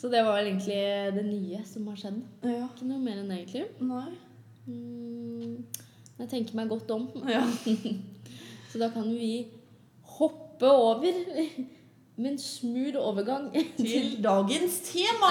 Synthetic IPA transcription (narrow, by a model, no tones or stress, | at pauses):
sɔd̪ɛʋɑɾʋɛleːɡənt̪lɪd̪ɛnyːəsɔmhɑʂɛd̪ːɪkːənuːəmeːɾɛnd̪eːɡənt̪lɪnɪ | mnjæɪt̪ʰɛŋkəɾmæɪɡɔt̪ːɔm | sɔd̪ɑːkʰɑnjʊʋɪ | hɔpːəoːʋəɾ | mɛnsmʉːɾoːʋəɾɡɑŋːʰɪld̪ɑːɡənst̪ʰeːmɑ